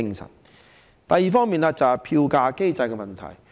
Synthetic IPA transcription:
ɪ˧ŋsɐ̰˨˩n | t̪ɐ˨jːiː˨˩fɔː˥ŋmiː˨nlaː˧t͡sɐ˨˩˨pʰi˧wkaː˧ke˥jt͡sɐ˧jkɛ˧mɐ˨˩nt̪ʰɐ̰˨˩j

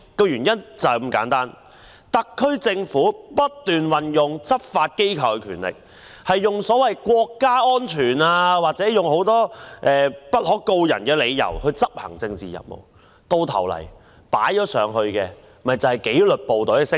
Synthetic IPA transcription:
kɔː˧jyː˨˩njɐ˥nt͡sɐ˨˧mkaː˨˥nt̪aː˥n | t̪ɐ˨˥kʰːɵ˥ɥt͡sɪ˧ŋfuː˨˥pɐ˥t̚t̪ːyː˨nwɐ˨njʊ˨ŋt͡sɐ˥p̚faː˧t̚ke˥jkʰɐ˨˧wkɛ˧kʰyː˨˩nlɪ̰˨k̚ | hɐ˨jːʊ˨ŋsɔː˨˥wɐ˨jkʷwɔː˧kːaː˥ɔː˥nt͡ʃʰyː˨˩naː˧waː˨t̚t͡sɛ˨˥jʊ˨ŋho˨˥wt̪ɔː˥ʔɛː˨pɐ˥t̚hɔː˨˥ko˧wjɐ̰˨˩nkɛː˧le˨˧jjɐ̰˨˩whɵ˧ɥt͡sɐ˥p̚hɐ˨˩ŋt͡sɪ˧ŋt͡sḭː˨jɐ̰˨p̚mo̰˨˩w | t̪o˧wt̪ʰɐ̰˨˩wlɐ̰˨˩j | pa̰ː˨˥jt͡ʃɔː˨˥sœː˨˧ŋɦɵ˧ɥkɛː˧ | m̩˩mɐ˨jt͡sɐ˨˧whɐ˨jke˨˥jlɵ˨t̚po˨˧wt̪ɔ˨˥kɛ˧sɪ˥

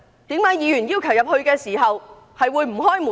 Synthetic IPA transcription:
t̪iː˨˥mkaː˨˥jiː˨˧jy˨˩njiː˧˥wkʰɐ˨˩wjɐ˨p̚hɵ˧ɥkɛː˧siː˨˩ɦɐ˨w | hɐ˨jwuː˨˧jm̩˨˩ɦɔː˥jmuː˨

